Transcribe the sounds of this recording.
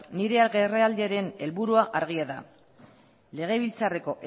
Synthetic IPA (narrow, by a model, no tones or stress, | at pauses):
niɾe̞aɣereald̪eaɾe̞ne̞lβuɾuaʔaɾɣ̞iaða̰ | le̞ɣ̞e̞β̞ilt͡sare̞ko̞ʔ